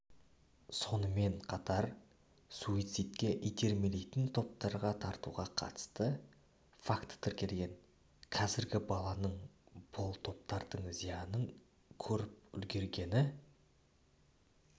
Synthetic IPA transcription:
so̞nəme̞ɴqʰɑt̪ɑɾ | suijt̪sijt̪kʲe̞ʔijt̪e̞ɾme̞lejt̪ɪnt̪ʰo̞p̚t̪ɑɾʁɑt̪ʰɑɾt̪uʁɑqʰɑ̰t̪ə̥st̪ə | fakt̪ə̥t̪ʰɪɾkʲe̞lɡʲe̞ŋ | qʰɑzɪɾɡʲɪbɑlˠɑnəɴb̥ʊlˠt̪ʰo̞p̚t̪ɑɾd̪əɴzijɑnəɴ | kʲʰɵɾɪp̚ʏ̰lɡʲe̞ɾɡʲe̞nɪ

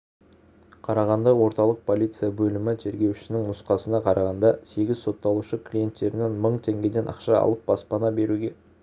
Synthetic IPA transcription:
qʰɑɾɑʁɑnd̪ɑwo̞ɾt̪ɑlˠəq̚pʰo̞lʲijt̪sɨjabɵlɪmɪt̪ʰe̞ɾɡʲe̞wʃɪ̥sɪnɪŋnʊsqɑsənɑqʰɑɾɑʁɑnd̪ɑse̞ɡʲɪzso̞t̪ːɑlˠuʃəkʰlʲije̞nt̪ːe̞ɾɪne̞nməɴt̪ʰe̞ŋɡʲe̞d̪e̞nʔɑ̰qʃɑɑ̰lˠəp̚b̥ɑspɑnɑbe̞ɾuɡʲe̞

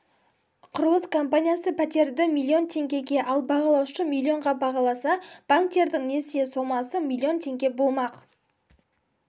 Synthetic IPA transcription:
qʰʊɾəlˠəskʰo̞mpanʲijasəpʰæt̪e̞ɾd̪ɪmʲilʲːˠio̞nt̪ʰe̞ŋɡʲe̞ɡʲe̞ʔɑlˠbɑʁɑlˠɑwʃəmʲilʲˠːio̞ɴʁɑbɑʁɑlˠɑsɑb̥aŋk̚t̪e̞ɾd̪ɪŋne̞sjeso̞mɑsəmʲilʲˠːio̞nt̪ʰe̞ŋɡʲe̞bo̞lˠmɑq

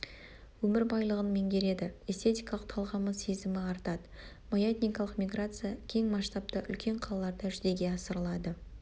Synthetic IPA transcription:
wɵmɪɾbɑjlˠəʁənme̞ŋɡʲe̞ɾe̞d̪ɪest̪e̞t̪ʲijkɑlˠəqt̪ʰɑlˠʁɑməe̞zɪmɪɑɾt̪ɑd̪ə | mojet̪ʲnʲijkɑlˠəqmʲiɡrat̪sɨjakʲʰe̞ŋmɑʃt̪ɑp̚t̪əʔʏ̰lkʲe̞ɴqʰɑlˠɑlˠɑɾd̪ɑʒʏze̞ɡʲe̞ɑsəɾəlˠɑd̪ə

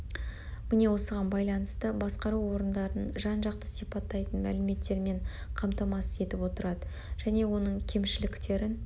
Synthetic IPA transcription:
mɪne̞wo̞səʁɑnbɑjlˠɑnəst̪əbɑsqɑɾuwo̞ɾənd̪ɑɾənʒɑnʒɑqt̪əsipɑt̪ːɑjt̪ənmæ̰lɪme̞t̪ːe̞ɾme̞ɴ | qʰɑmt̪ɑmɑsəe̞t̪ɪpwo̞t̪əɾɑd̪ə | ʒ̥æne̞wo̞nəɴkʲʰe̞mʃɪlɪkt̪e̞ɾɪn

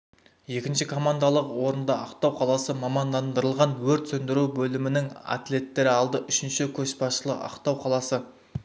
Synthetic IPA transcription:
je̞kʲɪnʃɪkʰo̞mand̪alˠəqwo̞ɾənd̪ɑɑqt̪ɑwqʰɑlˠɑsəmɑmɑnd̪ɑnd̪əɾəlˠʁɑnwɵɾt̪sɵnd̪ɪɾuwbɵlɪmɪnɪŋa̰t̪le̞t̪ːe̞ɾɪɑlˠd̪əʔʏʃɪnʃɪkʲʰɵʃpɑsʃəlˠə̰qɑ̰qt̪ɑwqʰɑlˠɑsə

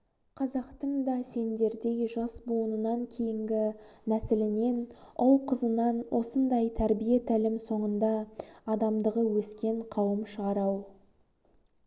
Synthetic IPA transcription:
qʰɑzɑqt̪əɴd̪ɑse̞nd̪e̞ɾd̪e̞jʒɑsboənənɑŋkʲʰe̞jɪŋɡʲɪnæsɪlɪne̞nʊlˠqʰəzənɑnwʔo̞sənd̪ɑjt̪ʰæɾbijet̪ʰælɪmso̞ɴənd̪ɑːd̪ɑmd̪əʁəwɵskʲe̞ɴqʰɑwəmʃəʁɑɾɑw

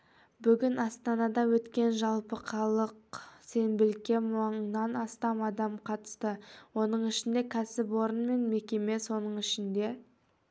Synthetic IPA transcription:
bʏɡʲɪnɑst̪ɑnɑd̪ɑwɵt̪kʲe̞nʒɑlˠpəqʰɑlˠəqse̞nbɪlkʲe̞mɑɴnɑnɑst̪ɑmɑd̪ɑmqʰɑt̪ə̥st̪əwo̞nəɴɪʃɪnd̪e̞kʲʰæsɪpwo̞ɾənme̞nme̞kʲe̞me̞so̞nəɴɪʃɪnd̪e̞

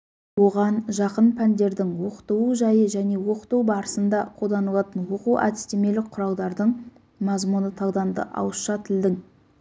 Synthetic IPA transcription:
wo̞ʁɑnʒɑqənpʰænd̪e̞ɾd̪ɪŋwo̞qə̥t̪əwuʒɑjəʒæne̞wo̞qə̥t̪uwbɑɾəsənd̪ɑqʰo̞lˠd̪ɑnəlˠɑt̪ənwo̞quwʔæ̰t̪ɪ̥st̪eme̞lɪk̚qʰːʊɾɑw̪ˠd̪ɑɾd̪əɴ | mɑzmunət̪ʰɑwˠd̪ɑnd̪ə̰ʔɑ̰wəsʃɑt̪ʰɪld̪ɪŋ

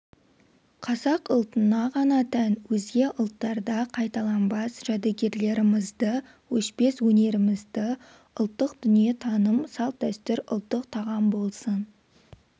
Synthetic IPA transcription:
qʰɑsɑqʊlˠt̪ənɑʁɑnɑt̪ʰænwɵzɡʲe̞ʔʊlˠt̪ːɑɾd̪ɑqʰɑjt̪ɑlˠɑnbɑsʒ̥æd̪eɡʲe̞ɾle̞ɾɪmɪzd̪ə | wɵʃpe̞swɵne̞ɾɪmɪzd̪ə | ʊlˠt̪ːəqd̪ʏnije̞t̪ʰɑnəmsɑlˠt̪̚d̪æst̪ʏɾʊ̰lˠt̪ːəqt̪ʰɑʁɑmbo̞lˠsən

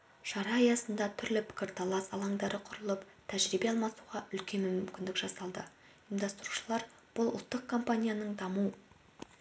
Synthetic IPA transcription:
ʃɑɾɑɑjɑsənd̪ɑt̪ʰʏɾlɪpʰɪ̥kʲɪɾt̪ʰɑlˠɑsɑlˠɑŋd̪ɑɾəqʰʊɾəlˠəp | t̪ʰæʒɾibe̞ɑlˠmɑsuʁɑʔʏlkʲe̞nmʏmʏmkʲɪnd̪ɪkʒ̥ɑsɑlˠd̪ə | imd̪ɑst̪ɾu̥ʃəlˠɑɾ | b̥ʊlˠʊ̰lˠt̪ːəq̚kʰo̞mpanʲijanəɴd̪ɑmu

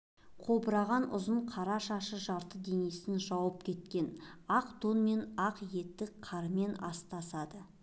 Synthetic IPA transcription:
qʰo̞bəɾɑʁɑnʔʊ̰zəɴqʰɑɾɑʃɑʃəʒɑɾt̪əd̪e̞ne̞sɪnʒɑwəp̚kʲʰe̞t̪kʲe̞nɑqt̪onme̞nɑqje̞t̪ːɪkqʰɑɾəme̞nɑ̰st̪ɑsɑd̪ə

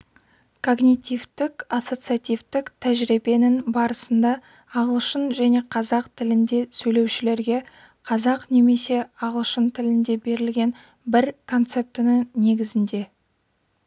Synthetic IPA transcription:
kʰo̞ɡnʲijt̪ʲijvt̪ɪkaso̞t̪sɨijat̪ʲijvt̪ɪkt̪ʰæʒɾebe̞nɪŋbɑɾəsənd̪ɑː | ʁəlˠʃənʒæne̞qʰɑzɑqt̪ʰɪlɪnd̪e̞sɵjle̞wʃɪle̞ɾɡʲe̞ | qʰɑzɑqne̞me̞se̞ɑʁəlˠʃənt̪ʰɪlɪnd̪e̞be̞ɾɪlɡʲe̞n | bɪɾkʰo̞nt̪se̞p̚t̪ɪnɪŋne̞ɡʲɪzɪnd̪e̞

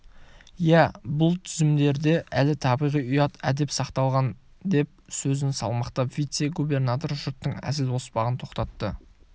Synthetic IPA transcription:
jæbʊlˠt̪ʰʏzɪmd̪e̞ɾd̪e̞ʔælɪt̪ʰɑbijʁijʊjɑt̪æ̰d̪e̞psɑqt̪ɑlˠʁɑn | d̪e̞p̚sɵzɪnsɑ̰lˠmɑqt̪ɑvijt̪se̞ɡube̞rnat̪o̞rʒʊɾt̪ːəɴæ̰zɪlo̞spɑʁənt̪ʰo̞qt̪ɑt̪ːə

